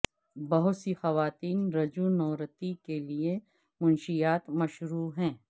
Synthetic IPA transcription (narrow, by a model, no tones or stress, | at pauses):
bɐɦʊt̪sixɐʋaːt̪iːnɾɐd͡ʒunɔːɾət̪ikelie | mʊnʃijaːt̪mɐʃɾuːɦɛ̃ː